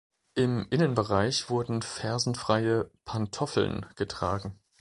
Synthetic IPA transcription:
ʔɪmʔɪnənbəʁ̞aɪçv̥ʊɐdn̩fɛɐzn̩fʁ̥aɪəpʰantʰɔfl̩̰nɡ̥ətʁ̥aːɡŋ̩

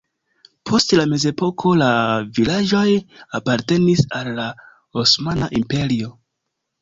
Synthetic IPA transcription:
pʰo̞stlame̞ze̞po̞kʰo̞lavilad͡ʒo̞japaɾte̞nisalːa | osmana̰ʔimpe̞ɾio̞

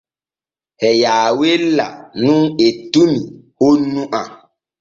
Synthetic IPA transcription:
hɛjaːwelːa̰nũŋetunihonːuʔa

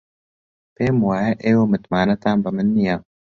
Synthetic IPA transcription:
peːmwaːjɐʔeːwoːmɨt̪maːnɐt̪aːnbɨmɨnːijaː

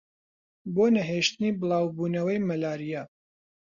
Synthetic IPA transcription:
boːnɐɦeːʃt̪ɨniːbɨlˠɑːwbuːnɐwɐjmɐlaːɾija

